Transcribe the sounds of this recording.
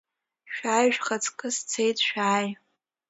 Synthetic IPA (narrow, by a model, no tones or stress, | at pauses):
ʃᶣaːjʒᶣχat͡sʰʼkʼɨst͡sʰejtʰʼʃᶣaːj